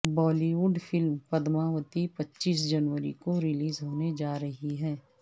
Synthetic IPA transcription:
bɔːliʋuːɖfʰɪlmpɐd̪mãːʋət̪ipɐtːʃiːs̬d͡ʒɐnʋəɾḭkoɾɪliːzɦoːned͡ʒaːɾɐɦiɦɛː

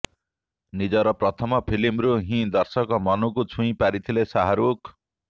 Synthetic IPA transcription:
nid͡zʌɾʌprʌt̪ʰʌmʌpʰilimɾuɦĩd̪ʌrsʌkʌmʌnukut͡sʰũj̃paɾit̪ʰilesaɦaɾuk

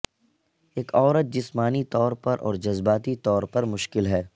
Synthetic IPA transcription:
eːkʰɔːɾət̪̚d͡ʒɪsmaːnit̪ɔːɾpɐɾʔɔ̰ːɾd͡ʒɐzbaːt̪it̪ɔːɾpɐɾmʊʃkɪlɦɛː

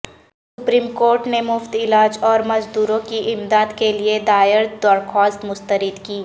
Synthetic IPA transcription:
s | ʊpɾiːmkoːɾʈnemʊft̪ɪlaːd͡ʒɔːɾmɐzd̪uːɾõkiʔɪmd̪aːd̪kelied̪aːɪɾd̪ɔːɾxɔːst̪mʊst̪əɾɪd̪kiː

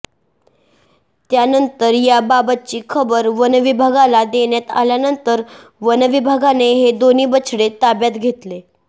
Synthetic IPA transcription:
t̪janənt̪əɾjababət̪̚t͡ɕiːkʰəbəɾʋənʋibʱaɡalad̪eɳjat̪a̰ljanənt̪əɾ | ʋənʋibʱaɡaneɦed̪oniːbət͡sʰɽet̪abjat̪ɡʱet̪le

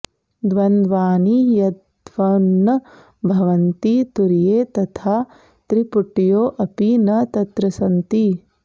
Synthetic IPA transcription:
d̪ʋɐnd̪ʋaːnijɐd̪ | ʋɐnːɐ | bʱɐʋɐnt̪it̪uɾijeːt̪ɐt̪ʰaː | t̪ɾipuʈːijoːʔɐpinɐt̪ɐt̪ɾɐsɐnt̪i

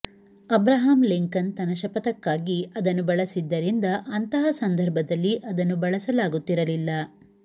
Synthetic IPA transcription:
ɐbɾɐɦaːmliŋkɐnt̪ɐnɐʃɐpɐt̪ɐkːaːɡiɐd̪ɐnːubɐɭɐsid̪ːɐɾind̪ɐʔɐnt̪ɐɦɐsɐnd̪ʱɐɾbʱɐd̪ɐlːiʔɐd̪ɐnːubɐɭɐsɐlaːɡut̪ːiɾɐlilːɐ

